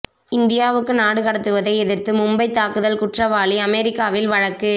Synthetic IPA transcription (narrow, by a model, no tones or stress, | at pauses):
ɪnd̪ɪjaːʋɯkːɯnaːɽɯkɐɽɐt̪ːɯʋɐðɐɪɛðɪɾt̪ɯmʊmbɐɪt̪ːaːkɯðɐlkʊʈrɐʋaːliɐmɛɾɪkːaːʋɪlʋɐɻɐkːɯ